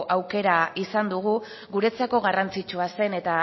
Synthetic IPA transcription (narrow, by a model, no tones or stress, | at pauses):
ʔawke̞ɾaisand̪uɣ̞u | ɣuɾe̞t͡sako̞ɣarant͡sit͡ʃuase̞ne̞t̪a